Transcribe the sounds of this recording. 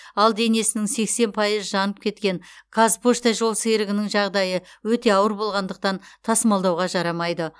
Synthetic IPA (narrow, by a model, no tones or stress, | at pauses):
ɑlˠd̪e̞ne̞sɪnɪŋse̞kse̞npʰɑjəzʒɑnəp̚kʲʰe̞t̪kʲe̞ŋkʰazpoʃt̪ɑʒo̞lˠseɾɪɡʲɪnɪŋʒɑʁd̪ɑjəwɵt̪e̞ɑwəɾbo̞lˠʁɑnd̪əq̚t̪ɑnt̪ʰɑsəmɑlˠd̪ɑwʁɑʒɑɾɑmɑjd̪ə